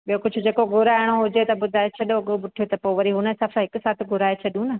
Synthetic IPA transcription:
ɓijokʊd͡ʑʱʊ̆d͡ʑeːkoɡʱʊɾaːɪɽ̃oɦʊd͡ʑet̪ɐɓʊd̪ʱaːet͡ɕʰɐɗoɐɠoɓʊʈʰijot̪ɐpoːʋɐɾiɦʊnəsaːfãɦɪksaːt̪ʰɪɡʱʊɾaːet͡ɕʰɐɗijũnɐ

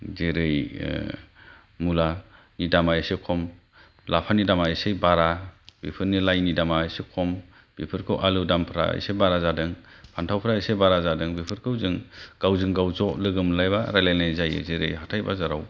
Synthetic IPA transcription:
zeɾɯj | mula | nidamaesekʰɔm | lapʰanidamaesejbaɾab̥ipʰɯɾnilajnidamaesekʰɔm | b̥ipʰɯɾkʰɯwʔalɯdampʰɾa̰ḛsebaɾazadɯŋ | pʰantʰawpʰɾaesejbaɾazadɯŋbipʰɯɾkʰɯwzɯŋɡ̥awzɯŋɡawzɔʔlɯɡɯmlajbaɾajlajnajzajɯ̰zeɾɯ̰jɦatʰajbazaɾa̰w

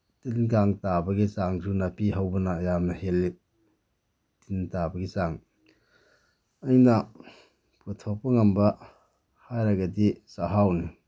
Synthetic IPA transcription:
tinkaŋtabɐɡisaŋzunɐpiɦɐwbɐnɐːjamnɐhelːi | tintabɐɡisaŋ | ɐjnɐ | putʰok̚pɐŋɐmbɐ | hajɾɐɡɐdisaɦawni

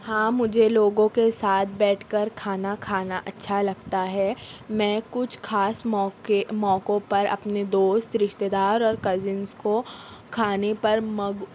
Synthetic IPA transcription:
hãːmʊd͡ʒʱeloːɡõkesaːt̪̚ʰbɛːʈʰkɐɾkʰaːnakʰaːnaʔɐtːʃʰalɐɡt̪aɦɛːmɛ̃ːkʊt͡ʃʰkʰaːsɔkemɔ̃ːkõpɐɾɐ̰pned̪oːst̪ɾɪʃt̪ed̪aːɾɔːɾkɐzɪnskokʰaːnepɐɾmɐɡ

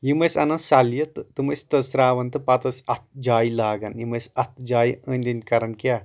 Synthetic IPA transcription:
jimɐsʲɐ̰nɐnsɐljɐt̪ɨt̪ɨməsʲt̪ɐsɾaːʋɐnt̪ɨpɐt̪ɐsɐt̪̚ʰd͡ʒaːjilaːɡɐnjimɐsɐt̪ʰd͡ʒaːjənʲd̪inʲkɐɾɐnkʲa

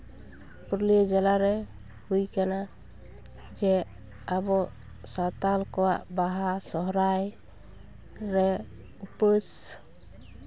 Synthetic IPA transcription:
pɾlid͡ʒɛlaɾɛ | ɦujkana | d͡ʒɛ | abɔ | sat̪alkɔwaʔbaɦasɔɦɾaj | ɾɛ | upəs

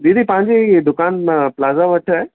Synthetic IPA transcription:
d̪id̪ipɐ̃ɦɪ̃ɲd͡ʑed̪ʊkaːnmãplaːzaʋəʈʰae

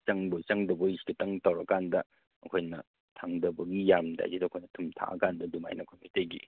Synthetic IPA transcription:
t͡ʃɐŋbojt͡ʃɐŋdɐboisiɡitɐŋtɐwɾɐkandɐ | ɐkʰojnɐ | tʰaŋdɐbɐɡijamda̰jzidɐːkʰojnɐtʰumtʰa̰ʔɐ̰kandɐduma̰jnɐkʰojmiteɡḭ

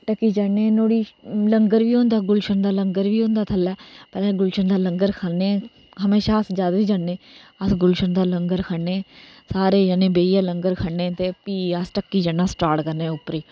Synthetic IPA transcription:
ʈəkːiːd͡ʒaeːnoːɽiːləŋɡəɾʋiːõːnd̪aːɡʊlʃənd̪aːləŋɡəɾʋiːõːnd̪aːt̪ʰəlːɛːpəlɛːɡʊlʃənd̪aːləŋɡəɾkʰaːnːeː | ɦəmeːʃaːəsd͡ʒaːd̪aːʋiːd͡ʒaɳːẽːəsɡʊlʃənd̪aːləŋɡəɾkʰəeːsaːɾeːd͡ʒanẽːbeːiːaːləŋɡəɾkʰəɳːẽːt̪eːpiːəsʈəkːiːd͡ʒaːnːaːsʈaːʈkəɾnẽːʊpːɾeː

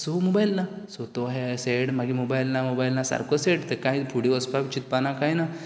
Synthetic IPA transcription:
somobajlna | sot̪oɦeseɽmaɡimobajlnamobajlnasa̰ɾkəseɽt̪ekãipʰuɽiəspabt͡ɕit̪̚panakajna

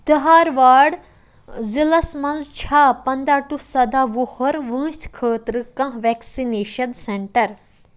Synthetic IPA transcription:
d̪ɐɦaːɾʋaːɽ | zilɐsmɐnzt͡ʃʰaːpɐnd̪aːʈusɐd̪aːʋohɐɾʋə̃ːt̪ʰkʰəːt̪ɾɨkɐ̃ɦʋɛːksineːʃɐnseɳʈɐɾ

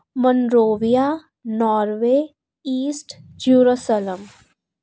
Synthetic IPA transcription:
mənɾoːʋija | nɔːɾʋeː | iːsʈd͡ʒuːɾosələm

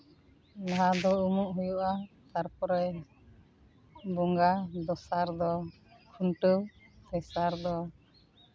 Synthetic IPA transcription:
laɦad̪ɔumuʔɦujuʔa | t̪aɾpɔɾɛ | bɔŋɡad̪ɔsaɾd̪ɔ | kʰuɳʈəwpʰɛsaɾd̪ɔ

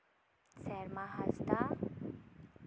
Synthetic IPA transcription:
sɛɾmãɦast̪a

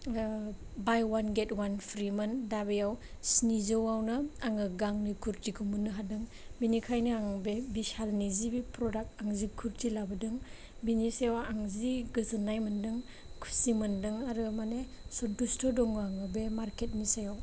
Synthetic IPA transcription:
bajwanɡetwanpʰɾimɐndabejaw | snizɯwawnɯaŋɯɡaŋnikʰuɾtiɡʰumunːɯɦadɯŋ | binikʰajnɯaŋbebisalnizibipɾɔdak̚taŋzikʰuɾtʰilabɯdɯŋ | biniseawaŋziɡɯzɯnːajmɯndɯŋ | kʰu̥simɯndɯŋaɾɯmane | sɔdustʰɔdɔŋɯaŋɯbemaɾket̚misajaw

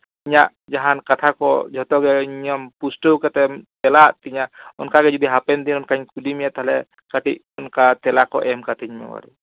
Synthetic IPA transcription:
iɲaʔ | d͡ʒaɦankat̪ʰakɔd͡ʒʱɔt̪ɔɡɛɲɔmpusʈuwkat̪ɛmt̪ɛlaʔt̪iɲaʔɔnkaɡɛd͡ʒɔd̪iɦapɛnd̪inɔnkaiɲkudimijat̪aɦlɛ | kaʈiʔ | ɔnkat̪ɛlakɔʔɛmkat̪ʰiɲmɛ̰wa̰ɾɛ̰

